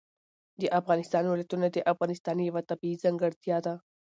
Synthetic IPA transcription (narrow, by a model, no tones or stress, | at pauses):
d̪eʔɐfɣɑːnɪst̪aːnwɪlɐt̪unad̪eʔɐfɣanɪst̪aːnjɐʋat̪ɐbizɐŋɡəɾt̪ʰijat̪a